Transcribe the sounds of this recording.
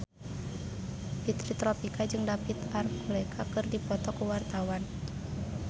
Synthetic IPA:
bit̪ɾit̪ɾɔpikad͡ʒɨŋdapit̪arkulɛkʰakɨrdipɔt̪ɔkuwart̪awan

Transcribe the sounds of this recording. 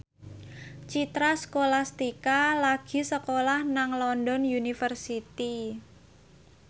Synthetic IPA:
t͡ʃit̪ɾasəkolast̪ikalaɡ̥i̤səkolahnaŋlɔndɔnjunifərsit̪i

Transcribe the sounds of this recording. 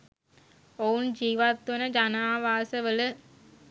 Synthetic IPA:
ownd͡ʒiːʋaːt̪ʋɐnɐd͡ʒɐnaːʋaːsɐʋɐlɯ

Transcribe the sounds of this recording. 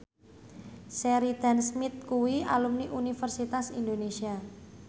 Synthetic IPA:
sɛɾid̪̥a̤nsmɪt̪̚kuwialumniʔunifərsit̪asḭnd̪onesia

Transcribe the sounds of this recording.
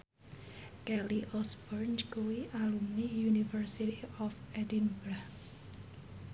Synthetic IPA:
kɛliʔɔsbɔrnt͡ʃkuwiʔalumnijunifərsitiɔfɛdinbɾah

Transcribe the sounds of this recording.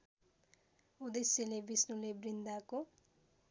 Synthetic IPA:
ud̪esjelebisnulebrind̪ako

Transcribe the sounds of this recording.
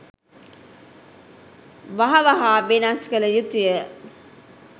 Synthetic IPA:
ʋɐɦɐʋɐɦaːbenansi̥kɐləjut̪ujə

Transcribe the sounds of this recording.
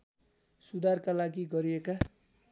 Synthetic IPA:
sud̪ʱarkalaɡiɡʌɾieka

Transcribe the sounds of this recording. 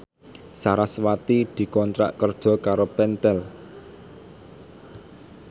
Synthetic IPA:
saɾaswat̪id̪̥i̤kɔnt̪ɾa̰ʔkərd̥ʒ̥ɔ̤kaɾopɛnt̪ɛl

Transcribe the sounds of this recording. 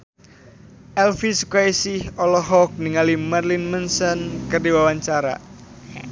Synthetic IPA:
ʔɛlfiskajsihɔlɔɦɔk̚niŋalimarlinmənsənkərdiwawaɲt͡ʃaɾa̰

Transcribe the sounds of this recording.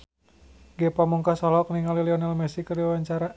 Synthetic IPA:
ɡɛpamuŋkasɔlɔk̚niŋaliliɔnɛlmɛsikəriwawaɲt͡ʃaɾa

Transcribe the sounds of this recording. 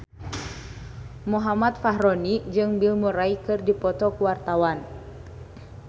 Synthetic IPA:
muɦamat̪̚faɦɾɔnid͡ʒɨŋbilmuɾaikɨrdipɔt̪ɔkuwart̪awan

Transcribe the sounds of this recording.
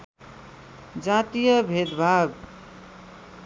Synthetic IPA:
d͡ʒat̪ijʌbʱed̪bʱaɡ

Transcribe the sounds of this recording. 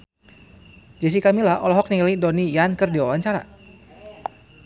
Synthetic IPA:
d͡ʒas̬ikamilahɔlɔɦɔk̚niŋlidɔnijankɨrdiwawaɲt͡ʃaɾa̰

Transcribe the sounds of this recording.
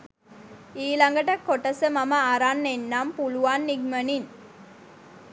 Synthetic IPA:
iːlaŋɡəʈɐkːoʈɐsəmɐmɐːɾanːenːampuluʋanːiɡmənin

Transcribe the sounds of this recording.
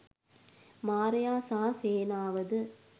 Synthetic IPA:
maːɾɐjaːsaːseːnaːʋɐðɯ

